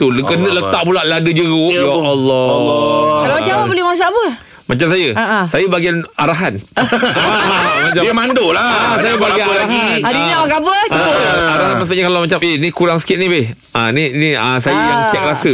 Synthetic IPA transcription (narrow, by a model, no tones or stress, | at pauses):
t̪ulɡənəʔlət̪aʔpulaʔladəd͡ʒəɣuʔjaalːɔ | kalaat͡ʃamabolɪhmas̬abə | mat͡ʃamsajəsajəbaɡianaɾaɦan | mat͡ʃadiəmandolaasajabaɡianaɾaɦanadɲamaɡabəsaɾaɦanmas̬uʔɲakalamat͡ʃamenikuɾaŋsə̥kɪt̪̚nĩbɪh | ãniniəsajəjaŋt͡ʃɛk̚ɾasə